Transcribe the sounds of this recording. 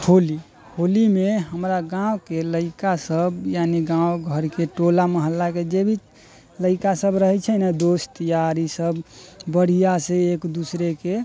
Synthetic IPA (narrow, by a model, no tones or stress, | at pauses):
holi | holimeɦəmɾaɡãwkeləɪkasəbjaniɡãwɡʱəɾkeʈolaməɦəlːaked͡ʒebʱit͡ʃ | ləɪkasəbɾəɦɛt͡ʃʰənɛd̪ost̪əjaɾisəbbəɽ̤ijaseːkd̪usɾeke